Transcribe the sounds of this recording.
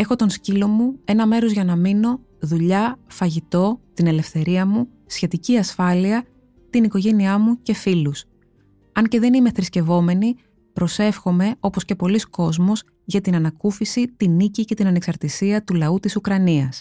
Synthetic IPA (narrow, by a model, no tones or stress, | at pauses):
e̞xo̞t̪o̞nscilo̞mue̞nɐme̞ɾo̞zʝɐnɐmino̞ | ðuʎɐfɐʝit̪o̞t̪ine̞le̞fθe̞ɾiɐmu | sçe̞t̪iciɐsfɐliɐ | t̪iniko̞ʝe̞niɐmuce̞filus | ɐɲce̞ðe̞nime̞θɾisce̞vo̞me̞ni | pɾo̞se̞fxo̞me̞o̞po̞sce̞po̞lisko̞zmo̞s | ʝɐt̪inɐnɐkufisit̪inicice̞t̪inɐneksɐɾt̪isiɐt̪ulɐut̪isukɾɐniɐs